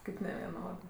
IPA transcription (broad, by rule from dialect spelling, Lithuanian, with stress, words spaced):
ˈkɐɪp nʲɛʋʲɛˈnoːdɜ